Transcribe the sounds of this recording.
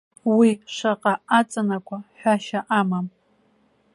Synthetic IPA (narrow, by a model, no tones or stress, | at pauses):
wiʂaqʼaat͡sʼanakʷʰʼaħʷᶣaʃaʔamam